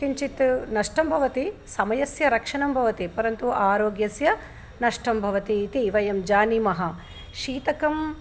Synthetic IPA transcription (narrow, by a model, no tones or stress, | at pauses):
iɲt͡ʃit̪nɐʂʈɐmbʱɐʋɐt̪isɐmɐjɐsjɐɾɐkʂɐɳɐmbʱɐʋɐt̪ipɐɾɐnt̪uʔaːɾoːɡjɐsjɐ | nɐʂʈɐmbʱɐʋɐt̪it̪iːʋɐjɐmd͡ʒaːnimɐɦɐ | ʃiːt̪ɐkɐm